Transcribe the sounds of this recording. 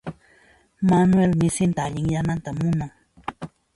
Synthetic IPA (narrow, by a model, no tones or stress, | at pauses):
manwelmɪsɪnt̪aʎɪŋjanant̪amʊnaŋ